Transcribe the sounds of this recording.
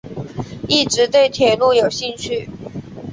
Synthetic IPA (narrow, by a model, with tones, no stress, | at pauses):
i˥˩ʈ͡ʂɻ̩˨˧˥t̪we˥˩ɪt̪ʰjɛ˨˩lu˥˩jo˨˩ʊɕi˥˧ŋt͡ɕʰy˥˩